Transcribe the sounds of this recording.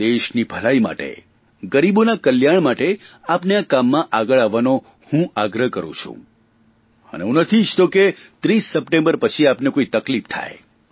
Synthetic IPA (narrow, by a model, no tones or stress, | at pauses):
d̪eʃnibʱəlaima̰ʈḛ | ɡəɾibonakəljaɳ̃maʈe | apneakamːãʔaɡəɭaʋːano | hũaɡɾəɦkəɾṵ̃t͡ʃʰṵ̃ | ə̰nḛɦũnət̪ʰid͡ʒt̪oket̪ɾisːəpʈẽmbəɾpət͡ʃʰiapnekoit̪əklift̪ʰa̰j